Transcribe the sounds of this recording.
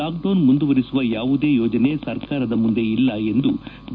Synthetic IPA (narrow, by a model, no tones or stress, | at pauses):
aːk̚ɖoːnmund̪uʋɐɾisuʋɐjaːʋud̪e̞ːjɔːd͡ʒɐne̞sɐɾkaːɾɐd̪ɐmund̪e̞ilːɐe̞nd̪u